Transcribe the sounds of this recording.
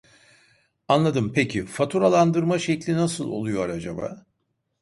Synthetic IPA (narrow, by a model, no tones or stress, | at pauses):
anlˠad̪ɯmpʰecʰifat̪ʰuɾalˠand̪ɯɾmaʃeclʲinasɯlˠo̰lˠujoɾad͡ʒaba̰ː